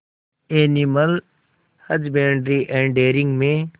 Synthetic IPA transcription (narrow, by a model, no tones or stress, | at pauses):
eːniməl | həd͡ʒbeːɳɖɾiʔẽːɳɖeːɾɪ̃ŋɡmẽː